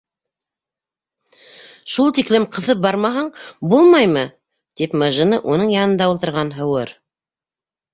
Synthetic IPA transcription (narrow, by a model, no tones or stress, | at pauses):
ʃulˠt̪iklɘmqʰɤ̆θɤp̚bɑɾmɑɦɑɴbulˠmɑjmɤ | d̪̥ipmɑʒɤ̆nɤʔunɤɴjɑnɤ̆nd̪ɑulˠt̪ɤ̆ɾʁɑnɦɤ̆wɤɾ